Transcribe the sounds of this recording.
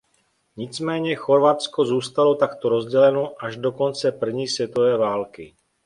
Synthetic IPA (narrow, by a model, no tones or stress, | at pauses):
ɲɪt͡smɛːɲɛxo̞ɾvat͡sko̞zuːst̪alo̞t̪akt̪o̞ɾo̞zɟɛlɛnoʔaʒdo̞ko̞nt͡sɛpr̩vɲiːsvjɛt̪o̞vɛːvaːlkɪ